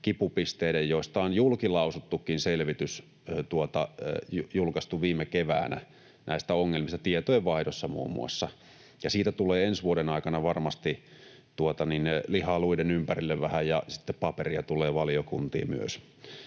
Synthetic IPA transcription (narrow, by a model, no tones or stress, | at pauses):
kipupist̪eidejjoˑist̪ɑonjulkilɑusut̪ːukːˑinselʋit̪ys | t̪uot̪ɑjjulkɑst̪uʋiːmːekeʋæ̰ːnæ̰ | nʔæˑist̪æoŋːelmist̪ɑt̪iet̪ojeʋʋɑˑidosːɑmṵːmːˑṵɑ̰sːɑ | jɑsiːt̪æt̪uleːensʋuoɾenɑˑikɑnɑʋɑrmɑst̪i | t̪uot̪ɑninnelihɑluidenympærilːeʋʋæhæjjɑsi̥t̪ːeppɑperiɑt̪ulˑeːʋɑlijokunt̪ḭːmyø̰s